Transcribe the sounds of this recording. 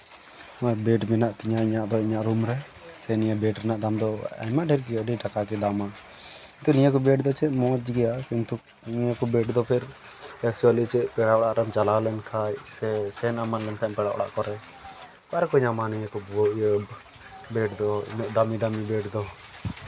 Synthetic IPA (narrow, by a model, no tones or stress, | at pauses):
mabɛʈmɛnaʔt̪iɲaiɲaʔd̪ɔiɲaʔɾumɾɛ | sɛnijabɛʈɾɛnaʔd̪amd̪ɔa̰maɖʱɛɾɡɛəɖiʈakak̬ɛd̪ama | kkint̪unijakɔbɛʈd̪ɔt͡ʃʰɛmɔ̃d͡ʒɡɛjakint̪u | ɲiakɔbɛʈd̪ɔpʰɛɾ | ɛk̚t͡ʃualit͡ʃɛpɛɽaʔɔɽaʔɾamt͡ʃalalɛnkʰajsɛsɛnamanlɛnkʰaɲpɛɽaʔɔ̰ɽa̰ʔkɔɾɛ | kaɾɛkɔɲamanijakɔbɔəb | bɛʈd̪ɔḭɲɔʔd̪amid̪amibɛʈd̪ɔ